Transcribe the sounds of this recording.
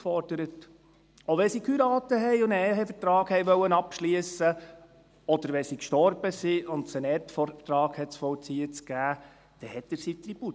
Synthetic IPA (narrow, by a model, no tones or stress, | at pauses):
fɔɾd̥əɾət | oʋɛsikʰyɾɑːtəɦɛjʊnɛɦɛfətɾɑːɡhɛjʋœwənɑpʃliəsə | ɔd̥̪əɾʋɛsikʃtɔrb̥əsiʊntsɛnɛtfɔtɾɑːɡ̥hɛtsfɔt͡siət͡sɡ̥æː | d̥ɛhɛtəɾsitɾib̥u